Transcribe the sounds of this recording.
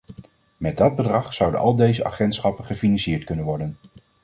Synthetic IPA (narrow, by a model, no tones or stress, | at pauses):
mɛd̚dɑd̚bədrɑχsʌwdə̰nʔɑ̰lˠdejzəʔa̰χɛntsχɑpənχəfinɑnsɪːɹtkɵnənʋɔɹdən